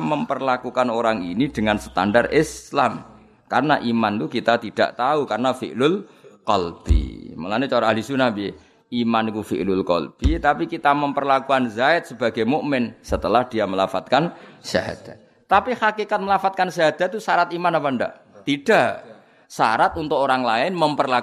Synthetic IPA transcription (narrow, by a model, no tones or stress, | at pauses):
məmpərlakukanoɾaŋinid̥əŋansə̥t̪a̰ndarɪslam | karnaʔimant̪ukit̪at̪id̥a̰ʔt̪aukarnafḭʔlʊlkɔlb̥ḭmə̰lanit͡ʃoɾaaɦlisunabi | ʔimankufḭʔlʊlkɔ̰lb̥it̪apikit̪aməmpərlakuanzaɪt̪̚səb̥aɡajmuʔmɪnsət̪əlahd̥iaməlafat̪̚kansa̰ɦa̰d̪̥ḁt̪̚ | t̪apihakekat̪̚məlafat̪̚kansaɦad̪̥a̤t̪ːusaɾat̪imanapanda̰ʔ | t̪id̥aʔ | saɾat̪unt̪ʊkoɾaŋlaɪnməmpərlak